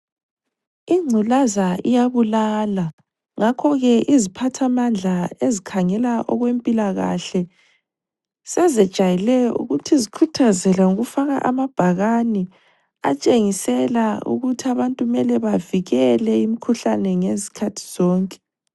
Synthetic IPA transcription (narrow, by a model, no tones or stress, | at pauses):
iŋ͡ǀʱulazaḭjaβulaːla | ŋakʰɔɣɛʔizipʰatʰamand͡ɮʱaezikʰaŋɛlaʔɔɣwempʼilaɣa̰ɬɛ | sɛzɛd̥ʒ̥ʱajɛlɛjɔ̰ʔṵɣutʰizikʰutʰazɛlauɣufaɣa̰ʔamab̥ʱaɣani | a̰t͡ʃʼeŋisɛlaṵɣutʰiaβantʼumɛlɛβaviɣɛlɛimikʰuɬanɛŋezi̥kʰatʰi̥z̥ɔːŋkʼɛ̥